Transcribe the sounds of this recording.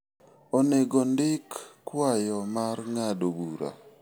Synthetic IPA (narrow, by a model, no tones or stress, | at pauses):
ɔneɡɔndɪkːwajɔmarŋadobuɾa̰